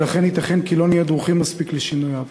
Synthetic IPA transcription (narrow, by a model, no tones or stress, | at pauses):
laχenhit̪aχenkilo̞nijed̪ʁuχimːaspikleʃinujav